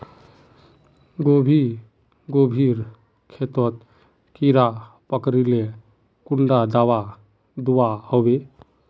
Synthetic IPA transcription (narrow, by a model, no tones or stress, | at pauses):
ɡobʱi | ɡobʱiɾ | kʰet̪ɔt̪ | kiɾa | pəkɾile | kuɳɖad̪awa | d̪uwahobe